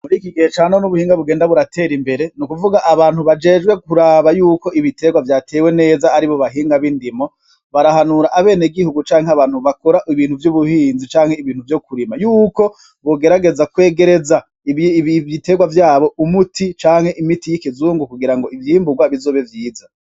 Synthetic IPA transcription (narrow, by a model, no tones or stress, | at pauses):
muɾiːkiɡihet͡ʃaːnonuβuhiːŋɡaβuɡe̞ːndaβuɾate̞ːɾimbe̞ɾe̞nukuvuɡaʔaβaːnhuβad͡ʒe̞ːd͡ʒɡwe̞kuɾaːβajuːko̞ʔiβitʰe̞ɡwavjaːtʰe̞ːwene̞ːzaːɾiβo̞βaɦiːŋɡaβindimo̞ | βaɾahanuɾaʔaβe̞ːniɡihuɡut͡ʃaːŋheaβaːnhuβakoɾaʔiβiːnhuvjuβuhiːnzit͡ʃaːŋhe̞iβiːn̥huvjokuɾimajuːko̞ | βoɡe̞ɾaɡe̞zakwe̞ːɡe̞ɾe̞za | ite̞ɡwavjaːβo̞ʔumutʰit͡ʃaːŋhe̞ʔimitijikizuːŋɡukuɡiɾaŋɡo̞ʔivjiːmbuɡwaβizo̞ːβe̞vjiːza